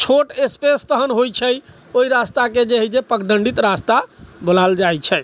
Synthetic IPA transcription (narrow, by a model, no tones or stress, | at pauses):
t͡ʃʰoʈespest̪əɦənɦojt͡ʃʰəj | oiɾast̪aked͡ʒeɦid͡ʒepəkɖəɳɖit̪ɾast̪abolald͡ʒajt͡ʃʰɛ